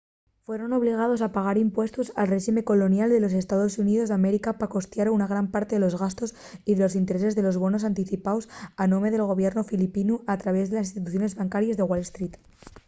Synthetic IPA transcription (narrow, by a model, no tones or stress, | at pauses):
fwe̞ɾo̞no̞β̞liɣ̞að̞o̞sapaɣ̞aɾimpwe̞st̪usalreʃime̞ko̞lo̞njald̪e̞lo̞se̞st̪aðo̞suniðo̞zðame̞ɾikapako̞st̪jaɾounaɣ̞ɾampaɾt̪e̞ðe̞lo̞zɣast̪o̞s | iðe̞lo̞sint̪eɾe̞se̞zðe̞lo̞zβ̞o̞nosant̪iθipawsanõme̞ðe̞lɣo̞βjeɾno̞filipinuat̪ɾaβ̞e̞zðelasinst̪it̪uθjo̞ne̞zβaŋkaɾjazðe̞ɣwalest̪ɾit̪